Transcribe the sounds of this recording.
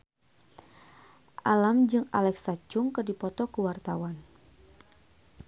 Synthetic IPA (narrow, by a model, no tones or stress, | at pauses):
ʔalamd͡ʒɨŋalɛksat͡ʃʊŋkɨrdipɔt̪ɔkəwart̪awan